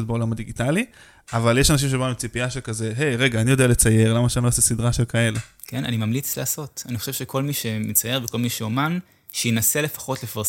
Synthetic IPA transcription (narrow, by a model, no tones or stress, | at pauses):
t̪beo̞lamadiɡitali | avaljeʃanaʃ̬imʃ̬ebaemt͡sipiaʃelkaze̞ɦejʁe̞ɡaːnijo̞deale̞t͡saje̞ʁlamaʃeanoasesidʁaʃelkae̞le | kena̰nimamlit͡sleaːso̞taniχoʃevʃekʰo̞lmiʃemit͡saje̞ʁveko̞lmiʃeoman | ʃejinasele̞fḁχo̞tlefaʁ